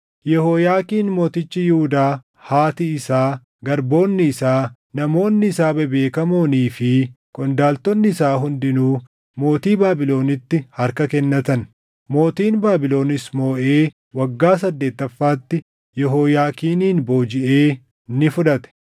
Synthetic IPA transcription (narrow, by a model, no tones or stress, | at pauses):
jɛhoːjaːkiːnmo̞ːt̪ɪt͡ʃːɪjɪhʊd̪aː | haːt̪ɪɪsaː | ɡɐɾbo̞ːnːɪːsaː | nɐmo̞ːnːɪsaːbɛbe̞ːkɐmoːniːfɪ | kʼɔnd̪aːlt̪ɔnːɪɪsaːɦʊnd̪ɪnuː | mo̞ːt̪iːbaːbɪlo̞ːnɪt̪ːɪhɐɾkɐkɛnːɐt̪ɐn | mo̞ːt̪iːnbaːbɪlo̞ːnɪsmoːʔe̞ː | wɐɡːaːs̬ɐd̪ːe̞ːt̪ːɐfːaːt̪ːɪ | jɛɦoːjaːkiːniːnbo̞ːd͡ʒɪʔe̞ː | nɪfʊᶑɐt̪ɛ̥